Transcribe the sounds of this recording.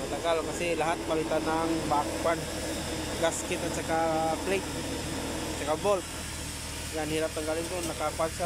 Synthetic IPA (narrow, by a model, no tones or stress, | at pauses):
mat̪aɡalkasɪlaɦat̪̚balɪt̪anaŋbakwan | ɡaskɪt̪at̪̚sakaplejt̪̚ | at͡ʃakabolt̪̚ | ɡanhiɾap̚t̪aŋɡalɪŋt̪onakapansa